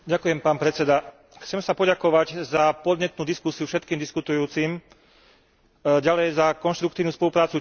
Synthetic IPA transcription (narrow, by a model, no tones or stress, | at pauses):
ɟakujɛmpaːnpɾɛt͡sɛd̪a | xt͡sɛmsapɔɟakɔʋaɟzapɔd̪ɲɛt̪nuːd̪iskusijufʃɛt̪̚kiːmd̪iskut̪ujuːt͡sim | ɟalɛjzakɔnʃt̪ɾukt̪iːʋnuːspɔlupɾaːt͡su